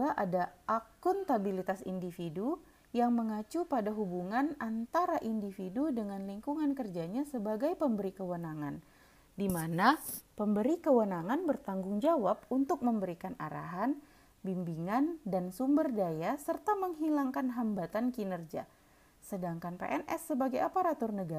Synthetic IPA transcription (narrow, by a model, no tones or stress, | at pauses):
laʔadaʔakʊnt̪abilit̪asḭndifidu | jaŋməŋat͡ʃupadaɦubuŋanant̪aɾaʔindifidudəŋanliŋkuŋankərd͡ʒaɲasəbaɡajpəmbəɾikəwənaŋan | dimanapəmbəɾikəwənaŋanbərt̪aŋɡʊŋd͡ʒawap̚unt̪ʊk̚məmbəɾikana̰ɾa̰ɦan | bimbiŋandansumbərdajasərt̪aməŋɦilaŋkanɦambat̪ankinərd͡ʒa̰ | sədaŋkanpḛʔɛnʔɛsːəbaɡajapaɾat̪ʊrnəɡa